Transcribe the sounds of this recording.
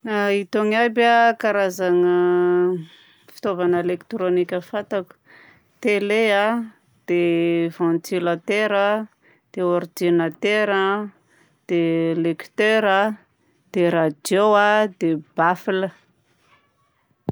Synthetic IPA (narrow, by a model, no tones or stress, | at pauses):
ait̪oŋabakaɾazaŋə | fi̥t̪ovanelekt̪ɾonikʲəfat̪aku̥ | t̪elea | d̪̥evãnt̪ilat̪eɾə | d̪̥eord̪inat̪eɾə | d̪̥eleki̥t̪eɾə | d̪̥eɾad̪joad̪eb̥afilə